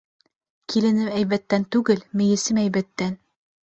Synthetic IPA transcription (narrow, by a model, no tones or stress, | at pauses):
kilɘ̆nɘpæjβæt̪ːænt̪ʉɡɘlmɘ̆jɘ̆sɘmæjβæt̪ːæn